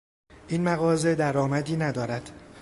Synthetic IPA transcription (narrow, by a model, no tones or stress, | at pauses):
ʔiːnmæɣɒːze̞d̪æɾɒːmæd̪iːnæd̪ɒːɾæd̪̥